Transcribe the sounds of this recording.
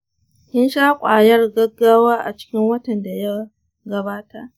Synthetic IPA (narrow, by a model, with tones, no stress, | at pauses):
hɪ˦nʃaː˦kʷʼaː˨jɐ˦rɡɐ˦ɡːaː˦waː˦ʔa˨t͡ʃɪ̥˦kʲɪ˦ŋwɐ˦tɐ˨nda˨ja˦ | ɡɐ˦baː˦ta˦ʔ